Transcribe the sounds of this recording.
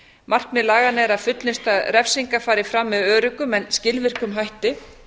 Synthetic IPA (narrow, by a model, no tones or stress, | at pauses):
mar̥kmɪðlaːɣanɪɛɾaðfʏt̪lɪst̪aðɾɛfsiŋkafaːɾɪfɾamːɛðœːɾʏkʏmɛnscɪlvɪr̥kʏmɦajht̪ɪ